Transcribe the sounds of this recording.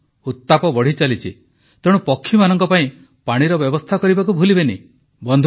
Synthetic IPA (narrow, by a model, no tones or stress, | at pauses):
ut̪ːapɔbɔɽ̤it͡ʃalit͡ʃʰḭ | t̪eɽ̃upɔkʰːimanɔŋkɔpaĩ | paɽ̃iɾɔbjɔbɔst̪ʰakɔɾibakubʱulibeni | bɔnd̪ʱ